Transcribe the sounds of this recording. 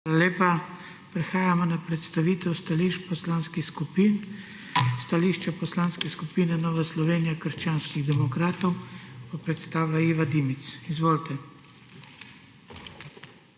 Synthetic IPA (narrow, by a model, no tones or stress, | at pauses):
aːlaleːpa | pɾɛxaːjamɔnapɾɛt̪st̪aʋiːt̪ɛwst̪aliʃpɔslaːnskixskupin | st̪aliːʃt͡ʃɛpɔslaːnskɛskupiːnɛnɔːʋaslɔʋeːnijakəɾʃt͡ʃaːnskiɣd̪ɛmɔkɾaːt̪ɔwpɔpɾɛt̪st̪aːwlaiːʋad̪iːmit̪sizʋoːlt̪ɛ